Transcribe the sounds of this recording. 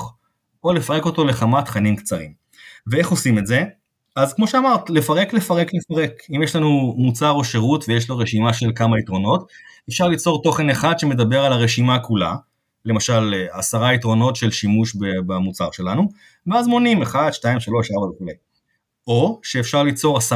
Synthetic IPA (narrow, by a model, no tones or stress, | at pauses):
o̞lefaʁeko̞t̪o̞le̞χamat̪χanimkt͡saʁḭm | vee̞χo̞simetze̞ | azkmo̞ʃeamaʁt̪lefaʁe̞kle̞faʁe̞klefaʁe̞kimjeʃlanumut͡saʁo̞ʃeʁutvejeʃ̬lo̞ʁeʃimaʃe̞lkamait̪ʁo̞no̞t̪efʃaʁlit͡so̞ʁt̪o̞χe̞neχad̪ʃe̞me̞d̪abe̞ʁalaʁe̞ʃimakula̰ | lemaʃalasaʁaitʁo̞no̞tʃe̞lʃimuʃbebamut͡saʁʃe̞lanu | veazmo̞nimeχad̪ʃtaimʃaloʃavalveχulej | o̞ʃeːfʃaʁlit͡so̞ʁasa